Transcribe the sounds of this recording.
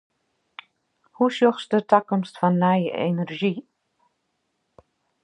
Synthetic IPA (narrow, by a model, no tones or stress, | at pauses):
husjoxsdətakɔmstfɔnːɛjə̰ʔḛnərʒi